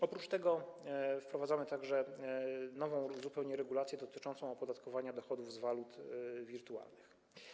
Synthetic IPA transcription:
ɔpɾut͡ʂt̪ɛɡɔfpɾɔvad̪zamɘt̪aɡʐɛ | nɔvɔ̃w̃zupɛwɲɛɾɛɡulat̪sʲjɛd̪ɔt̪ɘt͡ʂɔnt̪sɔ̃w̃ɔpɔd̪at̪kɔvaɲad̪ɔxɔd̪uvzvalut̪vʲiɾt̪ua̰lnɘx

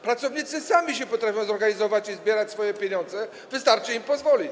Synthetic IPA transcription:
pɾat̪sɔvɲit̪sɘsamʲiɕɛpɔt̪ɾafʲjɔ̃w̃zɔɾɡaɲizɔvat͡ɕizbʲjɛɾat͡ɕʲsfɔjɛpʲjeɲɔnd̪zɛ | vɘst̪aɾt͡ʂɨimpɔzvɔlʲit͡ɕ

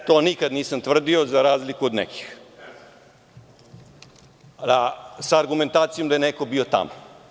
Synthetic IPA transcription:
t̪oːnikad̪niːsamt̪ʋr̩d̪io̞zaɾaːzlikuod̪nḛkʰi̥x | asaːɾɡument̪aːt̪sijod̪ajeneko̞bio̞t̪a̰mo

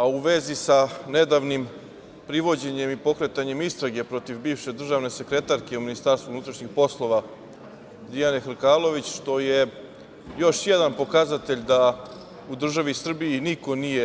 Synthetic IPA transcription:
auʋe̞zisane̞d̪aːʋnim | pɾiʋo̞d͡ʑe̞ɲe̞mipo̞kɾe̞t̪aɲe̞mist̪ɾaɡe̞pɾo̞t̪ivbiːʋʃe̞d̪r̩ʒaʋne̞se̞kɾe̞t̪aɾke̞uminist̪aːɾst̪vunut̪ɾaʃɲixpo̞slˠo̞ʋa | d̪ijane̞xɾ̩kaːlˠo̞ʋit͡ɕʃt̪o̞je̞ | jo̞ʃje̞d̪anpo̞kazat̪e̞ʎd̪a | ud̪r̩ʒaʋisr̩biːniko̞nije̞

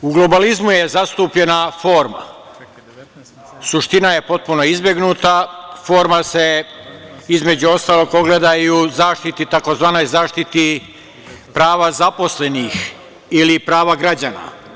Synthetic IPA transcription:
uɡlo̞balizmujezast̪uːpʎe̞nafo̞ːɾma̰ | suʃt̪inaje̞po̞t̪̚puno̞izbje̞ɡnuːt̪afo̞ːɾmase̞ | izme̞d͡ʑuo̞st̪aːlˠo̞ɡpo̞ɡled̪ajuzaːʃt̪it̪it̪ako̞zʋaːno̞jzaːʃt̪it̪i | pɾaːʋazapo̞sle̞nix | ilipɾaːʋaɡɾad͡ʑaːna̰

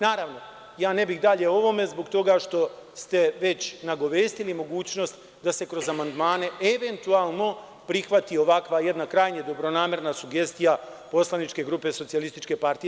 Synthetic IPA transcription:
naːɾaʋno̞ | jaːne̞bixd̪aʎe̞o̞ʋo̞me̞zbo̞ɡt̪o̞ɡaʃt̪o̞st̪e̞ʋe̞t͡ɕnaɡo̞ʋeːst̪ilimo̞ɡuːt͡ɕno̞st̪ | d̪ase̞kɾo̞zamand̪maːne̞eʋe̞nt̪uaːlˠno̞ | pɾixʋat̪io̞ʋakʋaje̞d̪nakɾaːjɲed̪o̞bɾo̞naːme̞ɾnasuɡe̞st̪ijapo̞slanit͡ʃke̞ɡɾupe̞so̞t̪sialist̪it͡ʃke̞paɾt̪ij

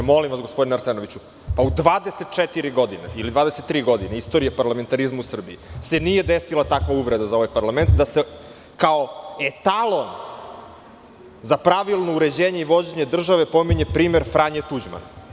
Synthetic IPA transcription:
mo̞limʋasɡo̞spd̪inaɾseno̞ʋit͡ɕu | paud̪ʋaːd̪eset̪̚t͡ʃet̪iɾiɡo̞d̪ineilid̪vaːd̪eset̪ːɾiːɡo̞d̪ineist̪o̞ɾijapaɾlame̞nt̪aɾizmuusr̩biise̞nije̞d̪esilat̪akʋauʋɾed̪azao̞ʋajpaɾlˠament̪d̪ase | kao̞et̪alˠo̞n | zapɾaʋilˠnouɾe̞d͡ʑeːɲeiʋo̞d͡ʑe̞ɲed̪r̩ʒaʋe̞pomiɲe̞pɾiːme̞ɾfɾaɲet̪ud͡ʑma̰na

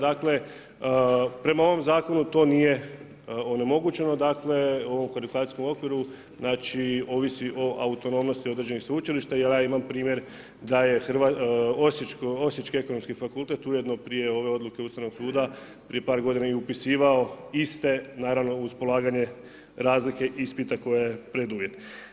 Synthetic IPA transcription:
d̪akle̞ | pɾe̞mao̞ʋo̞mzaːko̞nut̪o̞ːnije̞ | one̞mo̞ɡut͡ʃe̞no̞d̪akle̞o̞ʋo̞mxoɾikat̪isko̞mo̞kʋiɾu | znaːt͡ʃio̞ʋisiʔo̞ʔaut̪o̞no̞mno̞st̪iod̪ɾed͡ʒe̞nixsut͡ʃiliʃt̪ajeljaːimampɾiːmje̞ɾ | d̪aje̞xɾʋaosit͡ʃkosjit͡ʃkie̞ko̞nomskifakulˠt̪e̞t̪ujed̪no̞pɾijeo̞ʋe̞o̞d̪luke̞ust̪aʋno̞ɡ̥suːd̪a | pɾie̞paːɾɡo̞d̪inajeupisiːʋao̞ist̪e̞naːɾaʋno̞uspo̞lˠaːɡaɲe̞ | ɾaːzlike̞ʔispit̪ako̞jejepɾed̪uʋjet̪

